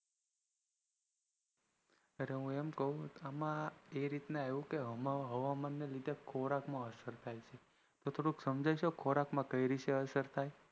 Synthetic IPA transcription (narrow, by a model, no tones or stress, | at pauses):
əɾeɦũemkəɦũamãeɾit̪neaũkeɦəmãɦəʋamanːelid̪ʱekʰoɾakmãəsəɾt̪ʰajt͡ʃʰe | t̪ot̪ʰoɽuksəmd͡ʒajʃokʰoɾakmãkəjɾiʃeəsəɾt̪ʰaj